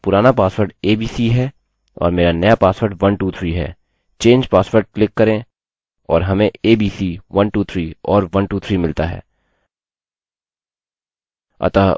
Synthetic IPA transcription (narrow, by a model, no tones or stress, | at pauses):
pʊɾaːnapaːswəɾɖeːbiːsiɦɛː | ɔ̰ːɾmeːɾanɐjapaːswʋəɾɖʋɐnʈuːt̪ʰɾiːɦɛ̰ː | t͡ʃẽːnd͡ʒpaːsʋəɾɖ̚klɪkːɐɾẽ | ɔːɾɦɐmẽeːbiːsiʋɐnʈuːt̪ʰɾiːɔːɾʋɐnʈuːt̪ʰɾimɪlt̪aɦɛ̰ː | ɐ̰t̪aː